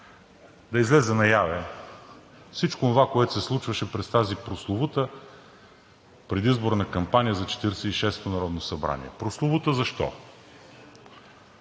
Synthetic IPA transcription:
d̪ɐizlɛzɛnɐjavɛ | fsit͡ʃkoːnvakoɛt̪ʊ̥sɛslˠut͡ʃvɐʃɛpɾɛst̪azipɾoslˠovut̪ə | pɾɛd̪izboɾnɐkɐmpanʲijəzɐt͡ʃɛ̥t̪iɾɛsɛiʃɛst̪onɐɾɔd̪nosɐbɾa̰nḭɛ̰pɾoslˠovut̪əzɐʃt̪ɔ̰

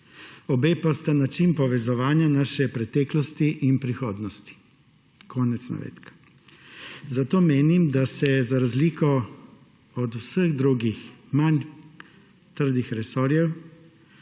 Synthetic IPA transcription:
ɔbeːpast̪anat͡ʃinpɔʋɛzɔʋaːnjanaːʃɛpɾɛt̪ɛːklɔst̪iʔinpɾixoːd̪nɔst̪i̥ | kʰɔːnɛt̪sna̰ʋḛːt̪kḁ | zat̪oːmeːnimd̪asɛzaɾazliːkɔ | ɔd̪usəɣd̪ɾuːɡixman | t̪əɾd̪ixɾɛsɔɾjɛw

